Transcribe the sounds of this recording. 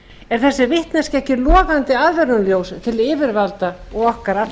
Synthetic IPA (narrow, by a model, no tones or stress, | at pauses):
ɛɾ̥θɛsːɪvɪht̪nḁscɛhcɪlɔːɣant̪ɪaðvɛɾnʏmljowst̪ʰɪlɪːvɪɾvalt̪aɔɣɔhkaɾa